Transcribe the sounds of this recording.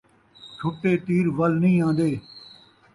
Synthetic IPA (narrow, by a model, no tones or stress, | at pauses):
t͡ʃʰʊːʈːeːt̪iːɾʋəlnəĩːãːnd̪eː